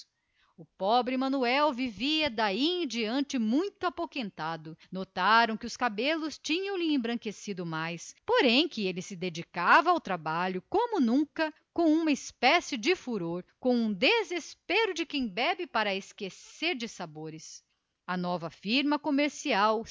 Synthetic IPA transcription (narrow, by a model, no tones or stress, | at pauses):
ʊpɔbɾɪmɐ̃nuɛwviviɐd̪aid͡ʒiɐ̃nt͡ʃɪmũj̃t̪ʊapokẽnt̪ad̪ʊnot̪aɾɐ̃w̃kɪʊskabelʊst͡ʃĩɲɐ̃w̃lɪẽbɾɐ̃ŋkesid̪ʊmajspoɾẽj̃kɪelɪsɪd̪ed͡ʒikavɐawt̪ɾabaʎʊkõmʊnũŋkɐ | kõw̃ũmɐɪspɛsɪd͡ʒɪfuɾoɾkõw̃ũd̪ezespeɾʊd͡ʒɪkẽj̃bɛbɪpaɾɐeskeseɾd͡ʒɪsaboɾɪs | ɐnɔvɐfiɾmɐkomeɾsiaw